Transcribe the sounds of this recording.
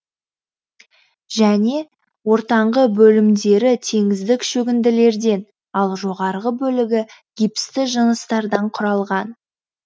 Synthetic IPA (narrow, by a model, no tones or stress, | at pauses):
ʒæne̞ | wo̞ɾt̪ɑɴʁəbɵlɪmd̪e̞ɾɪt̪ʰe̞ŋɪzd̪ɪkʃɵɡʲɪnd̪ɪle̞ɾd̪e̞n | ɑlˠʒo̞ʁɑɾʁəbɵlɪɡʲɪɡʲipɪ̥st̪ɪʒənəst̪ɑɾd̪ɑɴqʰʊɾɑlˠʁɑn